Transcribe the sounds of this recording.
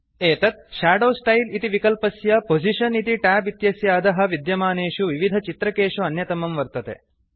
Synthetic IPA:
eːt̪ɐt̪̚ʃaːɖoːsʈɐjlit̪iʋikɐlpɐsjɐpod͡ʒʱiʃɐnit̪iʈaːbit̪jɐsjaːd̪ɐɦɐ̆ʋid̪jɐmaːneːʂuʋiʋid̪ʱɐt͡ʃit̪ɾɐkeːʂuɐnjɐt̪ɐmɐmʋɐɾt̪ɐt̪ḛ

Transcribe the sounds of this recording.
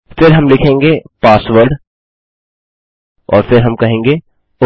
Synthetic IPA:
fɪɾɦɐmlɪkʰẽːŋɡeːpaːsʋəɾɖ | ɔ̰ːɾfɪɾɦɐmkɐɦẽːŋɡeː | ʊ

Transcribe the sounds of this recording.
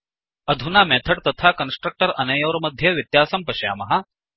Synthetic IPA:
ɐd̪ʱunamɛːt̪ʰɐɽt̪ɐt̪ʰakɐnsʈɾək̚ʈɐɾɐnɐjɐʋɾɐmɐd̪ʱjeʋit̪jaːsɐmpɐɕja̰ːmɐɦa

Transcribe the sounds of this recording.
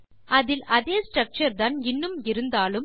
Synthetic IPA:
ɐðɪlɐðeːsʈɾɐk̚t͡ʃɐɾðɐnɪnːɯmɪɾɯnd̪aːlɯm

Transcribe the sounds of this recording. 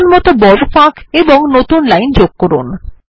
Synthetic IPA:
nmɔt̪obɔɾofãkʰeboŋnot̪unlajnd͡ʑoɡ̚kɔɾṵn

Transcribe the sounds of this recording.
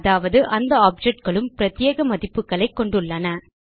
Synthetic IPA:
ðaːʋɐðɯʔɐnd̪ɐaːp̚d͡ʒɛʈ̚ɡɐɭɯmpɪɾɐt̪ːjeːɣɐmɐðɪpːɯkːɐɭɐɪkːɔɳɖɯɭːɐnɐ

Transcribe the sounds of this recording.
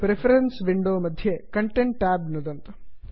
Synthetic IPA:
pɾepʰɐɾensʋiɳɖoːmɐd̪ʱjekɐɳʈeɳʈːæːbnud̪ɐnt̪ɐ̥

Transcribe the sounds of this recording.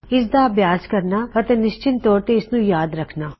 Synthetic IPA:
ɪs̬d̪abjaːskɐɾnaɐt̪enɪʃt͡ʃɪnt̪ɔːɾt̪eɪsnũjaːd̪ɾɐkʰnaː

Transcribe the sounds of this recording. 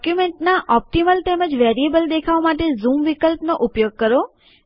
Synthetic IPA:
kjumeɳʈnaʔɔp̚ʈiməlʈeməd͡ʒʋeɾiebəld̪ekʰaʋamaʈ̬ezũmʋikəlpnoʔupjoɡ̚kəɾo

